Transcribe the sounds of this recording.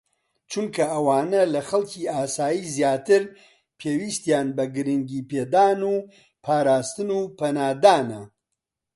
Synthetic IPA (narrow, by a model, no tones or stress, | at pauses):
t͡ʃʰunkʰɐʔɐwaːnɐlɐxɐlcʰiːaːsaːjiːzjaːt̪ɨɾ | pʰeːwiːst̪jaːnbɐɡɨɾɨŋɡiːpeːd̪aːnuː | pʰaːɾaːst̪ɨnuːpɐnaːd̪aːnɐ